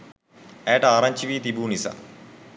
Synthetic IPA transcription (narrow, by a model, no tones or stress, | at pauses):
ɛːʈaːɾɐɲt͡ʃiʋiːt̪ibuːnisa̰